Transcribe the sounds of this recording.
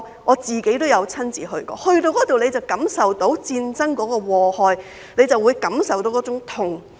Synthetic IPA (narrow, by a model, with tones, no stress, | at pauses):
ŋʔɔː˨˧t͡siː˨ke˨˥jt̪o˥wjɐ˨˧wt͡sʰɐ˥nt͡siː˨hɵ̰˧ɥkɔ̰ː˧hɵ˧ɥt̪o˧wkɔː˨˥t̪o˨wnle˨˧jt͡sɐ˨˩wkɐ˨˥msɐ˨wt̪o˨˥wt͡siː˧nt͡sɐ˥ŋkɔː˨˥kɔː˧wɔː˨hɔː˨j | ne˨˧jt͡sɐ˨wːuː˨˧jkɐ˨˥msɐ˨wt̪o˨˥wkɔː˨˥t͡sʊ˨˥ŋt̪ʰʊ˨˩ŋ